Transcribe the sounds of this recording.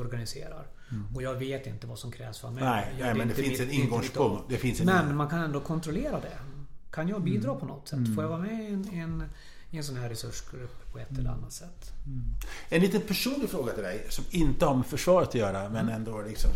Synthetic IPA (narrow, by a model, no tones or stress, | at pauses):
ɔɾɡanɪsḛːɾa̰ɾ | ɔjɑːɡveːt̪ɪnt̪əvasɔmkʰɾɛ̰ːvsfœ̰ɾmɛɛɛmɛnd̪ɛfɪnsɛnɪnɡɔŋspɔŋd̪ɛfɪnsmɛnmankʰanɛnd̪oːkʰɔnt̪ɾɔleːɾad̪ɛ̰kʰanjɑːɡ̚biːd̪ɾɑːpʰɔnɔt̪ːsɛt̪ːfoːɾjavɑːɾamɛnɛn | ɪɛnsɔnɦæːɾːɛsɵʂɡɾɵpːpʰɔɛt̪ːɛlə̰a̰nːat̪sɛt̪ː | ɛnliːt̪ənpʰæʂuːnlɪɡfɾoːɡat̪ʰɪld̪ɛjsɔmɪnt̪əhaɾmɛfœʂvɑːɾət̪ʰɔjœːɾamɛnɛnd̪oːlɪksɔ̰m